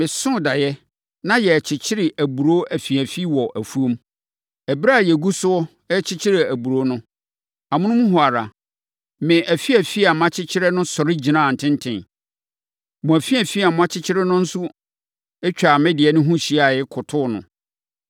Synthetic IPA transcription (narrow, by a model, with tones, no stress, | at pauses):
mɪ̃˨sʊ̃˦da˨jɛ˦ | nã˦jɛ˨t͡ɕʰɪ˨t͡ɕʰɪ˦ɾɪ˨ʔæ˨bu˨ɾo˦ʔæ˨fi˨æ˨fi˦wɔ˨ʔæ˨fu˦o˦m | ɛ˨bi˦ɾa˦˨jɛ˨ɡu˦sʊ˦ɔ˦ | ɛ˦t͡ɕʰɪ˦t͡ɕʰɪ˦ɾɪ˨æ˨bu˨ɾo˦nʊ̃˦ | a˨mʊ̃˦nʊ̃˦mũ˦ɦʊ˨a˨ɾa̰˨ | mɪ̃˨ʔæ˨fi˦æ˨fi˦a˨m˦ã˦t͡ɕʰɪ˦t͡ɕʰɪ˦ɾɛ˦nʊ̃˦sɔ˨ɾɪ˦d͡ʑi˨nã˦˨n̩˨tʰɪ̃˦n˦tʰɪ̃˨n | mʊ̃˨æ˨fi˦æ˨fi˦a˨mʊ̃˦a˦t͡ɕʰɪ˦t͡ɕʰɪ˦ɾɛ˦nʊ̃˦n̩˦sʊ˦ | ɛ˦t͡ɕᶣa˨mɛ̃˦dɪ˨ɛ˨nʊ̃˦ɦũ˦ɕi˦a˨jɪ˦kʰʊ˨tʰʊ˦nʊ̰̃˨